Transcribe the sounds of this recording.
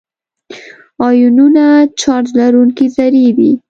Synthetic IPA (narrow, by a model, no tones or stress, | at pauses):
ɑjununat͡ʃɑɾt̪laɾuŋkizaɾewi